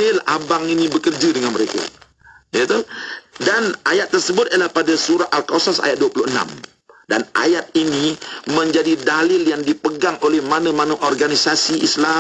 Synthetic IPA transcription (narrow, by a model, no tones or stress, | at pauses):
ɪla̰baŋinibəkərd͡ʒadəŋanməɾeka̰ | jit̪udanajat̪ːərsəbʊt̪alahpadasuɾat̪alkosasa̰jat̪̚duapuluhəna̰m | danʔa̰jat̪̚iniməɲd͡ʒadidalɪljaŋdipəɡaŋʔolɛhmanəmanəʔɔrɡanisasiʔisla